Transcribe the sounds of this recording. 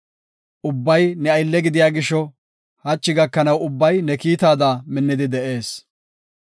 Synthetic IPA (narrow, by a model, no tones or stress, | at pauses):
ʔʊbːɐjnɛɐjlːɛɡɪd̪ɪjaːɡɪʃːɔ | hɐt͡ʃːɪɡɐkːɐnɐwʊbːɐjnɛkiːt̪aːd̪aːmɪnːɪd̪ɪd̪ɛʔe̞ːs